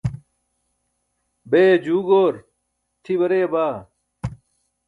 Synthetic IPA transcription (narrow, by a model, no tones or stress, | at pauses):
beːd͡ʑuːɡoːɾ | t̪ʰibɐɾeːbaː